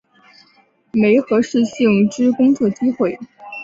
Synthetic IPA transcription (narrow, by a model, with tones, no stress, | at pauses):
me˧˥ɪxɤ˧˥ʂɻ̩˥˧ɕ̩˥˧jʊ˥˩ŋʈ͡ʂɻ̩˥kʊ˥ŋt͡swɔ˥˩t͡ɕi˥xwe˥˩ɪ